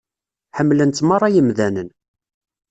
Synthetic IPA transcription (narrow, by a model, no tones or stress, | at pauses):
ħəmːlənt̪mɑrˤːɑjəmðænən